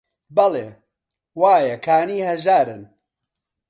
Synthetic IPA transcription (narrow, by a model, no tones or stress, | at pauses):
bɐleː | waːjɐkʰaːniːhɐʒaːɾɨn